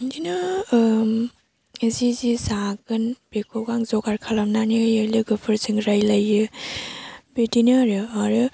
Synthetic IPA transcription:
dinɯ | ezizizaɡɯnb̥ekʰɔɡaŋzɔɡaɾkʰalamnanɯjɯlɯɡɯpʰɯɾzɯŋɾajlajːɯ | bedinɯɾɯaɾɯ

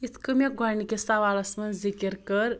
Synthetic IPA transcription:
it̪ʰkəmeɡʱanikʲesaʋalɐsmɐnzikəɾkəɾ

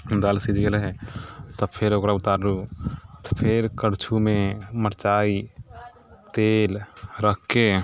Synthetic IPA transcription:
d̪aːlsid͡ʒɡəlɦɛt̪ɔpʰɪɾoːkɾaʊt̪aːɾɾut̪pʰɪɾkəɾt͡ʃʰumẽməɾt͡ʃaːi | t̪eːlɾəkʰːe

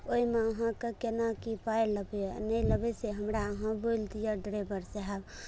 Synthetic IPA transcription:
oimeəɦãkəkenakipajləbɛnələbɛseɦəmɾaəɦãbolt̪ijaɖɾabəɾseɦab

